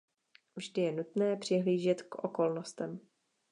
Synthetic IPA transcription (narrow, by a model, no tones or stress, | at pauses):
vʒdɪjɛnut̪nɛːpr̥ɪɦliːʒɛt̪kʔoko̞lnost̪ɛm